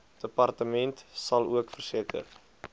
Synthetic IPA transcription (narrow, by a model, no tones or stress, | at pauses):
d̥əpɐrtəmɛntsɐlˠuəkfərsiəkə̰r